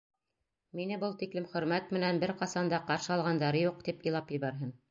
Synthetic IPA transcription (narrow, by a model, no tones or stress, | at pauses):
minɘbɤlˠt̪iklɘmχɵ̆ɾmæt̪mɘ̆nænbɘɾqɑsɑnd̪ɑqɑɾʃɤɑlˠʁɑnd̪ɑɾɤjuq̚t̪ipɤ̆lˠɑpjɤ̆βæɾɦɤn